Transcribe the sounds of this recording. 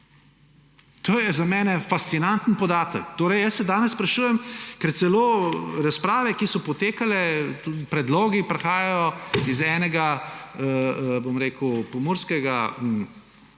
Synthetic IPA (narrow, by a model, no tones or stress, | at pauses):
t̪oːjɛzamɛːnɛfast̪sinant̪n̩pɔd̪aːt̪əkt̪oːɾɛjjəsːɛd̪aːnɛsspɾɐʃuːjɛmkɛɾt̪sɛloːɾaspɾaːʋɛkisɔpɔt̪eːkalɛpɾɛd̪loːɡipɾɛxaːjajɔizɛːnɛɡaəbomɾeːkəwpɔmoɾskɛɡa